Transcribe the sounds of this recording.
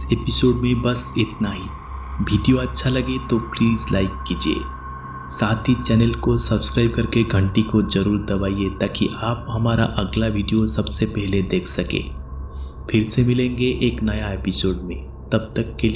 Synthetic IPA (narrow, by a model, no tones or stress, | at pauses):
ɪseːpɪsoːɖmẽbɐsɪt̪naɦi | ʋiːɖijoɐtːʃʰalɐɡet̪opliːzlaːɪkːiːd͡ʒiḛː | saːt̪ʰit͡ʃɛːnəlkosɐbskɾaːɪb̚kɐɾkeɡʱɐ̃ɳʈikod͡ʒɐɾuːɾd̪ɐʋaːiet̪aːkiʔaːp̚ɦɐmaːɾa̰ʔɐɡlaʋiːɖijosɐbsepɛɦled̪eːkʰsɐkḛ̃ː | fʰɪɾsemɪlẽːŋɡeʔeːknɐjaeːpɪsoːɖmẽ | t̪ɐb̚t̪ɐkːel